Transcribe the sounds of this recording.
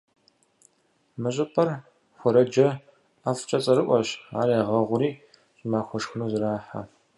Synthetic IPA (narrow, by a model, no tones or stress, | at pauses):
mɨɕʼɨpʰʼɐr | xʷɔɾɐd͡ʒɐ | aft͡ʃʼɐt͡sʼɐɾɨʔʷɔɕa̰ːɾaʁɐʁʷʊɾiː | ɕʼɪmaːxʷɔʂxɨnuːzɨraːħa̰